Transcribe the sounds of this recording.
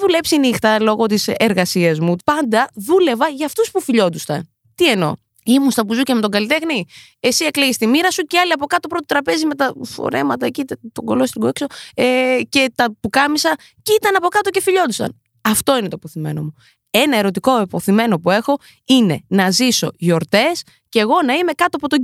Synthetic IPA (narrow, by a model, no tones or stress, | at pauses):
ðule̞psinixt̪ɐlo̞ɣo̞t̪̬iseɾɣɐsiɐzmupɐnd̪ɐðule̞vɐʝɐːft̪uspufiʎo̞t̪ust̪ɐ̰n | t̪ie̞no̞̰ | imunst̪ɐpuzucemet̪oɡɐlit̪e̞xni | e̞sie̞kleɣist̪imiɾɐsuceɐliɐpo̞kɐt̪opɾot̪ot̪ɾɐpe̞zime̞t̪ɐfo̰ɾe̞̰mɐt̪ɐecit̪ɐt̪oɡo̞lost̪iɡoekso̞ece̞t̪ɐpukɐmisɐ | cit̪ɐnɐpo̞kɐt̪o̞ce̞fiʎo̞d̪ust̪ɐ̰n | ɐft̪o̞inet̪oepoθime̞̰no̞̰mu | e̞nɐe̞ɾo̞t̪̬iko̞epoθime̞no̞pue̞xo̞ | ine̞̰nɐziso̞̰ʝo̞ɾt̪e̞s | ce̞ɣo̞nɐime̞kɐt̪oɐpot̪o